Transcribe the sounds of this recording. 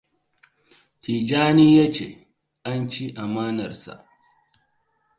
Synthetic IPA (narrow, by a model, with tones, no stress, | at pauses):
tiː˨d͡ʒaː˦niː˦ja˦t͡ʃḛ˨ | ʔa˦nt͡ʃi˦ʔa˨maː˦nɐ˨rsa̰˨ʔ